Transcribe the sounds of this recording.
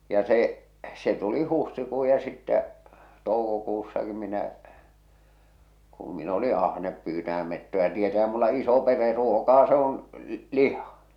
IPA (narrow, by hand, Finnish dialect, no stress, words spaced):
jɑ se se tuli huhtikuː jɑ sitːæ toukokusːɑki minæ kum min oli ɑhnep pyːtæh̆æm metːojɑ tietæhæ̥m̥ mulːɑ iso pere ruokɑː se on lihɑ